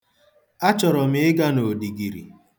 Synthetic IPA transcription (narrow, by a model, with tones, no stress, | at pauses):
a˦t͡ʃɔ˨ɾɔ˨mɪ˦ɪ˦ɡa˦no˨di˨ɡi˨ɾḭ˨